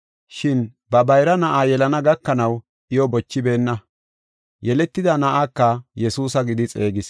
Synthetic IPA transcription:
ʃɪn | bɐbɐjɾɐnɐʔaːjɛlɐnɐɡɐkːɐnɐw | ʔɪjɔbɔt͡ʃːɪbe̞ːnːɐ | jɛlɛt̪ːɪd̪ɐnɐʔakːɐjɛsuːsɐɡɪd̪ɪt͡sʼe̞ːɡɪs

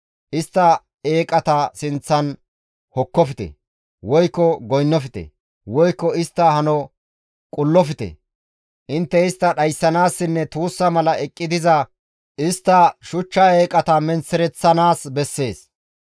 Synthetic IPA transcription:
ʔɪst̪ːɐ | eːkʼɐt̪ɐsɪnt͡sːɐn | hɔkːɔfɪt̪ɛ̰ | wɔjkːɔɡɔjnːɔfɪt̪ɛ̰ | wɔjkːɔɪst̪ːɐhɐnɔ | kʼʊlːɔfɪt̪ɛ̰ | ʔɪnt̪ːɛɪst̪ːɐɗɐjsːɐnaːsːɪnːɛt̪uːsːɐmɐlɐɛkʼːɪd̪ɪzɐ | ʔɪst̪ːɐʃʊt͡ʃːɐeːkʼɐt̪ɐmɛnt͡sːɛɾɛt͡sːɐnaːsbɛsːe̞ːs

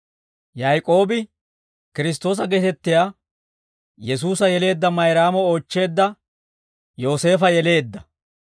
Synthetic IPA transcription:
jɐjkʼo̞ːbɪ | kɪɾɪs̬t̪o̞ːs̬ɐɡet̪ɛt̪ːɪjaː | jɛs̬uːsɐjɛle̞ːd̪ːɐmɐjɾaːmɔoːt͡ʃːe̞ːd̪ːɐ | jo̞ːse̞ːfɐjɛle̞ːd̪ːɐ

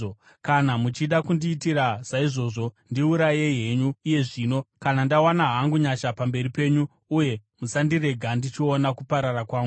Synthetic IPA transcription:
o | kanamut͡ʃiɗakundiːtiɾaz̥aiʐo̞ːʐo̞ndiuɾaje̞ɦe̞ɲuːje̞ʐiːno̞kanandawanaɦaŋɡuɲaʃapambe̞ripe̞ːɲu | uje̞musandire̞ɡʱandit͡ʃio̞nakupaɾarakwaːŋɡu

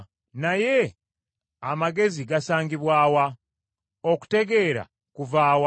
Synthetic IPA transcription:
naje̞ | amaɡe̞ziɡasaːŋɡiβwaːwa | oku̥te̞ɡe̞ːɾa̰ | kuvaːwa

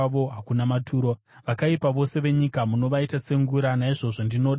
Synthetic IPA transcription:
ʋo̞ɦakunamatʰuːɾo̞ | ʋakaipaʋo̞se̞ʋe̞ɲikamuno̞ʋaitase̞ŋɡuɾanaiʐo̞ʐondino̞ːɗ

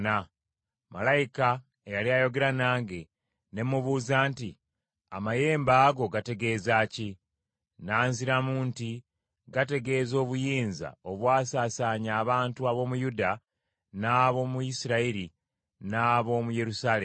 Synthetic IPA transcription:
na | malajika | ejaliajo̞ɡe̞ɾanaːŋɡe̞ | ne̞mːuβuːzaːnti | amaje̞ːmbaːɡo̞ɡate̞ɡe̞zaːci | naːnziɾamuːnti | ɡate̞ɡe̞ːzo̞ːβujiːnza̰o̞βwaːsaːsaːɲaːβaːntuaβo̞ːmujuda | naːβo̞ːmuisiɾaiɾi | naːβo̞ːmuje̞ɾusaːle

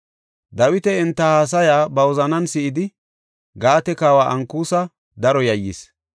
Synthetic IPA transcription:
d̪ɐwɪt̪ɛɪnt̪ːɐhaːs̬ɐjaːbɐwɔzɐnɐnsɪʔɪd̪ɪ | ɡaːt̪ɛkaːwaːʔɐŋkuːsɐ | d̪ɐɾɔjɐjːḭs

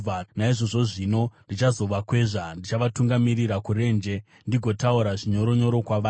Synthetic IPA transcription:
anaiʐo̞ʐo̞ʐino̞ndit͡ʃazo̞ʋakwe̞ʐandit͡ʃaʋatuŋɡamiriɾakuɾe̞nd͡ʒe̞ | ndiɡʱo̞tauɾaʐiɲo̞ɾo̞ɲo̞ɾo̞kwaʋaː

